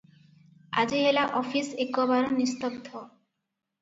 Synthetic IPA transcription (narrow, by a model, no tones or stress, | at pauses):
a̰d͡ʑeɦelaʔɔfʰisekːɔbaɾonist̪obd̪ʱɔ